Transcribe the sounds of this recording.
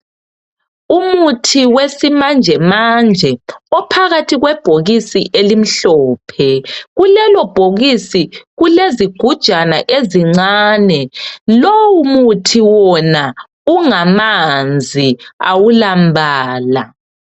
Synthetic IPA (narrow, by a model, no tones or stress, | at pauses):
umutʰiwesimand͡ʒʱɛmand͡ʒʱɛɔpʰaɣatʰiɣwɛb̥ʱoɣisiʔelim̩ɬɔːpʰɛɣulɛlɔb̥ʱoɣisiɣuleziɡ̥ʱud̥ʒ̥ʱanaʔeziŋ͡ǀaːnɛlowumutʰiwɔna | uŋamand͡zʱia̰wulambʱaːla